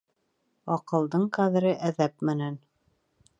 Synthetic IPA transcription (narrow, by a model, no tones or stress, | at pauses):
ɑqɤ̆lˠd̪ɤɴqæðɘ̆ɾɘʔæðæpmɘ̆næn